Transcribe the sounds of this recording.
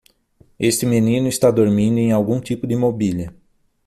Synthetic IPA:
est̪ɪmenĩnʊist̪ad̪oɾmĩnd̪ʊẽj̃awɡũt̪ipʊd̪ɪimobiliɐ

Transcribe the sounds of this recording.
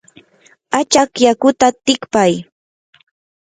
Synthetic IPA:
at͡ʃakjakʊt̪at̪ɪkpaj

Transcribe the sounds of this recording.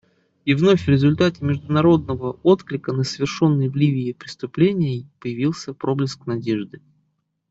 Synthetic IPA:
ivno̞fʲvɾʲɪzʊlʲt̪atʲɪmʲɪʐd̪ʊnɐɾo̞d̪nəvəo̞t̪klʲɪkənəsvʲɪrʂo̞nːɨjvlʲivʲɪːpɾʲɪst̪ʊplʲenʲɪjɪpəjɪvʲilˠsʲəpɾo̞blʲɪsknɐdʲe̞ʐd̪ɨ

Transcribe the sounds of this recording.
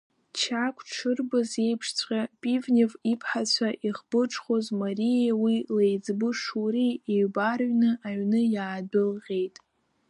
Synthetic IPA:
t͡ʃʰakʷʰʼʈ͡ʂʰɨrbɨze̞jpʰʂt͡sʷʰʼqʲʼapʼivnʲevipʰħat͡ɕʷʰaʔiχb̥ɨʈ͡ʂʰʼχozmaɾijewilejd͡zbɨʂurieɥbarɥnɨʔaɥnɨjaːdɨlʁʲe̞jtʼ

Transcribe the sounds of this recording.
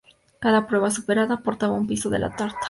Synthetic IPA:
kaðapɾwe̞βasupe̞ɾaðapo̞ɾt̪aβaumpiso̞ðḛlʔa̰t̪aɾt̪ḁ

